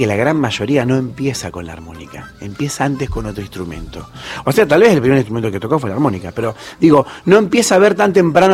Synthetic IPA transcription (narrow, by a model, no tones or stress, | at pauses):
kelaɣɾanmaʒo̞ɾiano̞e̞mpje̞sako̞nla̰ɾmo̞̰nḭkaempjesaant̪esko̞not̪ɾoĩnst̪ɾumẽ̞̰nt̪o̞oseat̪alβeselpɾimeɾĩnst̪ɾument̪oket̪o̞kof̬welaɾmo̞nikapeɾo̞d̪iɣo̞no̞e̞mpje̞saaβ̞eɾt̪ant̪empɾano